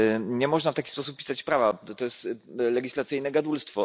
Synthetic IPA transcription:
ɲɛmɔʐnaft̪akʲispɔsu̥p̚pʲːi̥sat͡ɕpɾavat̪ɔjɛst̪lɛɡʲislat̪sɘjnɛɡad̪ulst̪fɔ

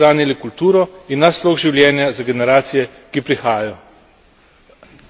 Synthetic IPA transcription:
aːnilikult̪uːɾɔinːasloːɣʒiwljɛːnjazaɡɛnɛɾaːt̪sijɛ | kipɾixaːjajɔ

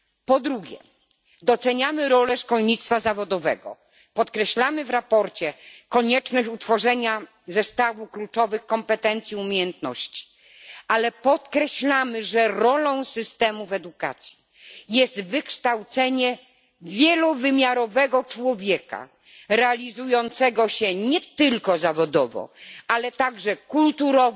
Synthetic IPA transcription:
pɔd̪ɾuɡʲɛ̰ | d̪ɔt̪sɛɲamɘɾɔlɛʂkɔlɲit̪st̪fazavɔd̪ɔvɛ̰ɡɔ̰ | pɔt̪kɾɛɕlamɘvɾapɔɾt͡ɕɛkɔɲɛt͡ʂnɔɕut̪fɔʐɛɲa | zɛst̪avuklut͡ʂɔvɘxkɔmpɛt̪ɛnt̪sʲjiumʲjejɛnt̪nɔ̰ɕt͡ɕi̥ | alɛpɔt̪kɾɛɕlamɘʐɛɾɔlɔ̃w̃sɘst̪ɛmuvɛd̪uka̰t̪sʲji̥ | jɛst̪vɘkʂt̪awt̪sɛɲɛ | vʲjɛluvɘmʲjaɾɔvɛɡɔt͡ʂwɔvʲjɛka̰ | ɾɛalʲizujɔnt̪sɛɡɔɕɛɲɛt̪ɘlkɔzavɔd̪ɔvɔ̰alɛt̪aɡʐɛkult̪uɾɔ

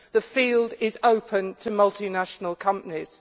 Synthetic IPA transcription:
ðəfiːlˠdɪzəʊpʰə̃ntʰəmʌlˠtɪnaʃənəlˠkʰʌ̃mpənɪz̥

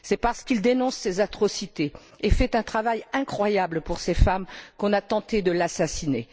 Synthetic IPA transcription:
sɛpaʁsə̥kild̪enɔ̃sːezat̪χɔsit̪e | efɛt̪ɛ̃t̪χavajɛ̃kχwajabləpuʁsefamkɔ̃nat̪ɑ̃t̪ed̪əlasasine

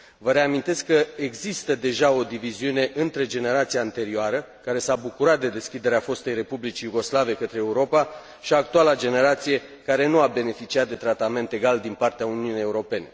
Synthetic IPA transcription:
vəɾe̞amint̪e̞skːəeɡzist̪əd̪e̞ʒao̞d̪iviziune̞ʔɨnt̪ɾe̞d͡ʒe̞ne̞ɾat̪siaːnt̪e̞ɾioaɾə | kaɾe̞sabukuɾat̪̚d̪e̞d̪e̞skʲid̪e̞ɾeafo̞st̪e̞jɾe̞publit͡ʃijuɡo̞slave̞kət̪ɾeːuɾo̞pa | ʃiak̚t̪ualad͡ʒe̞ne̞ɾat̪sije̞ | kaɾe̞nuabe̞ne̞fit͡ʃiat̪̚d̪e̞t̪ɾat̪ame̞nt̪e̞ɡald̪inpart̪eauniunijeuɾo̞pe̞ne̞

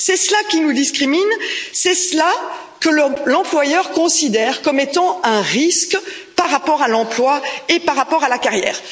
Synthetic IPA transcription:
sɛslakʲinud̪iskχiminsɛsla | kəllɑ̃plwajœʁkɔ̃sid̪ɛʁkɔmet̪ɑ̃ɛ̃ʁisk | paʁapɔʁalɑ̃plwaepaʁːapɔʁalakaʁjɛ̰ːʁ

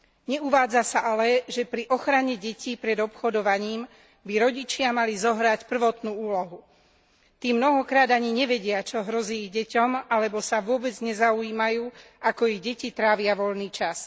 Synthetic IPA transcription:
ɲɛuʋaːd͡zasaʔalɛʒɛpɾiʔɔxɾaɲɛɟɛciːpɾɛd̪ɔpxɔd̪ɔʋaɲiːm | biɾɔɟit͡ʃɪamalizɔɦɾacpr̩ʋɔt̪nuːuːlɔɦu | t̪iːmːnɔɦɔkɾaːd̪aɲiɲɛʋɛɟɪat͡ʃɔɦɾɔziːɟɛcɔmalɛbɔsaʋʊɔbɛd͡zɲɛzauiːmajuː | akɔiɟɛcit̪ɾaːʋɪaʋɔʎniːt͡ʃas

